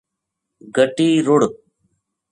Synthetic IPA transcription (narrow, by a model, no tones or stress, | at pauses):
ɡəʈiːɾʊɽ